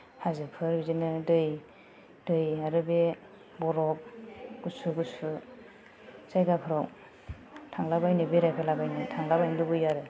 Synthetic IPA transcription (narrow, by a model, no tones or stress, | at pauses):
hazɯpʰɯɾbizinɯdɯj | dɯjaɾɯbe | bɔɾɔp̚ɡ̥usuɡusu | z̥ajɡapʰɯɾɔw | tʰaŋlabajnɯbeɾajpʰalabajnɯtʰaŋlabajndɯbɯjaɾɯ